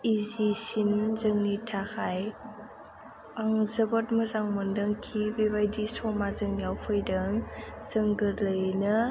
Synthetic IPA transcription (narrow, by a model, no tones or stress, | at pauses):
izisinzəŋnitʰakʰaj | aŋzəbɔt̚mɯzaŋmɔndɯŋkʰibeβajdisɔmazəŋnijawpʰɯjdɯŋz̥əŋɡɯlɯjnɯ